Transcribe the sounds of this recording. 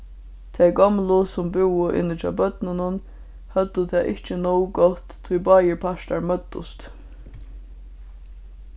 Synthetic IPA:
t̪ʰɛɪɡɔmlʊsʊmbɪwəʔɪ̰nːɪt̪ʰɑ̰bœt̪nənʊn | hœd̪ət̪ʰɛːʔɪht͡ʃənɔwɡɔt̪ʰːujbɑːjəpʰaʃt̪aɹmœt̪ːʊ̰st̪

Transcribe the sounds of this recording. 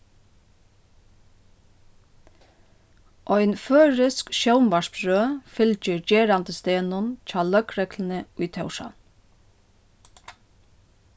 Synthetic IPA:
ʔɔʏnføːɹɪskʃœʊmʋɑʃbɾøːfɪlt͡ʃəɹd͡ʒeːɾant̪əst̪eːnʊnc͡çɑːlœkɾɛkln̩əʊjt̪ʰœwʃɑ̰n

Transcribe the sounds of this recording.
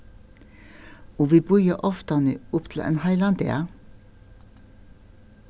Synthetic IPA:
oːʋiːbʉʏəʔɔft̪ɑnə̰ʊpt̪ʰl̩ʔḛːnhɑɪlɑnd̪ḛɑ

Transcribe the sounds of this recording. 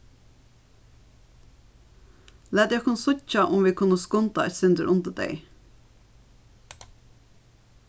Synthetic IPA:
læːd̪ekʰʊnsʊcɑʔʊmʋiːkʰʊnəskʊnt̪ɑɛt̪sʏnd̪əɾʔʊnd̪əd̪ḛɪ

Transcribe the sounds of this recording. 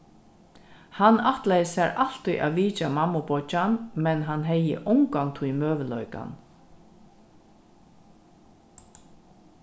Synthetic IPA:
hanaht̪lajəsæɾal̥t̪uʔa̰ːʋiːt͡ʃamamːʊpɔt͡ʃanmɛnɦanɦɛjə̰ʔʊŋkant̪ʰujmøːʋəlɔʏka̰n

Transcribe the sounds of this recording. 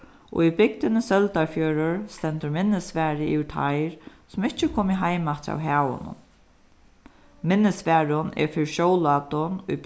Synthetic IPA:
ʔɔ̰ibɪk̚t̪ɪnɪsœlt̪aɹfjœːɾʊɹst̪ɛnt̪ʊɾmɪnːɪsfæːɾɪiʋɪt̪ʰa̰jɾ | sʊmɪht͡ʃːɪkʰoːmɪɦajmat̪ʰa̰wɦæːwʊ̰nʊ̰ | mɪnːɪsʋɛːɾʊnɛ̰ɹfɪɾʃoːwlat̪ʊnʊ

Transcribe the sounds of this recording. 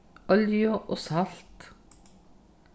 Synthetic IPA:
ʔɔljʊʔoːsɑlt̪

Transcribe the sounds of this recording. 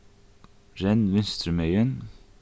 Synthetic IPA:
ɹɛnʋɪnst̪ɾəmœʏən

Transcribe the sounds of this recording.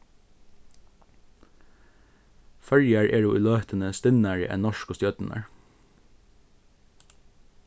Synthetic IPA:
fœljəɹʔeːɖuːʔiːløːt̪ənəst̪ɪnæːɹə̰ʔɛ̰nnɔʃkoːst̪jœt̪n̩ʔə̰ɹ

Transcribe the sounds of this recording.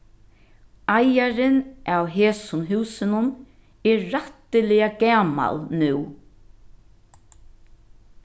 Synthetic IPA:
ajaɾɪnʔawɦeːsʊnɦʉːsɪnʊn | ɛɾːaht̪ɪlɪaɡæːma̰lnʉw

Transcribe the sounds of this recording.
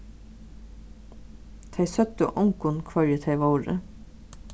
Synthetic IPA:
t̪ʰæɪsœt̪ə̰ʔʊŋkʊnkʰʋɑɹət̪ʰæɪʋoːɾə̰

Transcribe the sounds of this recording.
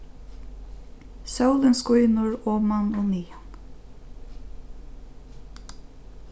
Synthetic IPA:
sœwlɪnskʊjnʊɹɔːmanɔniːan

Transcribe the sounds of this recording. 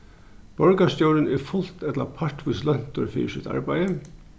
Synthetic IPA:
b̥ɔɹkast̪owɾənɛɹfʊl̥t̪ɛt̪la̰pʰaɹʈʋʊslɛn̥t̪ʊɹfḭːsɪt̪a̰ɹbæjə

